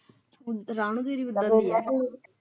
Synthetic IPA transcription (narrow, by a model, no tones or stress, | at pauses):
ɾaːɳ̃ũːd̪eːɾiːʊd̪əiɛː